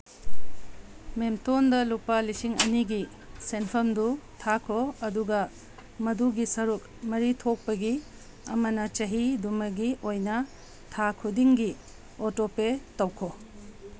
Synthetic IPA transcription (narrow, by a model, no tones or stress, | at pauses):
memtondɐlupalisiŋɐ̰niɡi | senpʰɐmdutʰakʰoɐduɡɐ | mɐduɡisɐɾuk | mɐɾitʰok̚pɐɡi | ɐ̰mɐnɐt͡ʃɐɦidumɐɡiojnɐ | tʰakʰudiŋɡi | otopetɐwkʰo